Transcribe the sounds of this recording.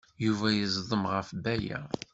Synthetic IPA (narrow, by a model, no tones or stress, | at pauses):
juvæjəzðˤəmʁəfbæjæ̰